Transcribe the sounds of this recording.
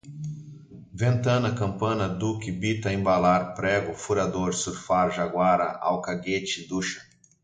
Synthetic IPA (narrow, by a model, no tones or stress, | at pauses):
vẽnt̪ɐ̃nɐkɐ̃mpɐ̃nɐd̪ukɪbit̪ɐẽbalaɾpɾɛɡʊfuɾad̪oɾsuɾfaɾʒaɡwaɾɐ̰ʔa̰wkaɡet͡ʃɪd̪uʃɐ̥